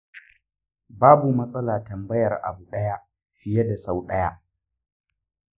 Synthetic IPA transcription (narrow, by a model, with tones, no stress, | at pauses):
baː˦bu˨mɐ˦sʼɐ˦laː˨tɐ˨mbɐ˦jɐ˨rʔa̰˨bu˨ɗɐ˦ja˦ | ɸɪ˨je˦da˨sa˦wɗɐ˦ja˦ʔ